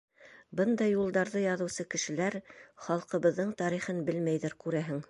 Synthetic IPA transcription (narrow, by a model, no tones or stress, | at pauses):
bɤnd̪ɑjulˠd̪ɑɾðɤjɑðɤ̆wsɤkɘ̆ʃɘ̆læɾχɑlˠqɤ̆βɤ̆ðːɤɴt̪ɑɾiχɤnbɘlmæjðɘɾkʉɾæɦɘŋ